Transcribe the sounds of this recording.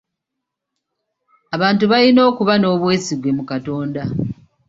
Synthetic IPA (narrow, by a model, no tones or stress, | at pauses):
aβaːntuβalino̞ːkuβano̞ːβwe̞ːsiɡwe̞mukato̞ːnda